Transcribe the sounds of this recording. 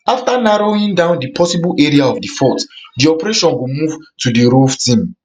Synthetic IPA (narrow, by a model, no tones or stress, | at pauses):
aftanaɹoĩŋdãʊ̃ndipʰɔsiblʔɛɹiaɔvdifɔtdiɔpɛɹeʃɔ̃nɡumuvtudiɹovtĩm